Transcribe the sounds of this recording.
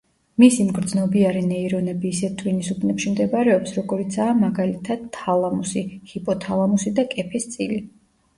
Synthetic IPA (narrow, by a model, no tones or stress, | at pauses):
misimɡɾd̪znɔbiaɾinɛiɾɔnɛbiːsɛt̪ʰʼvwinisupʰnɛpʃimd̪ɛbaɾɛɔpsɾɔɡɔɾit̪sʰaːmaɡalit̪ʰad̪̥ʰalˠamusihipʼɔt̪ʰalˠamusid̪akʼɛpʰɛst̪sʼili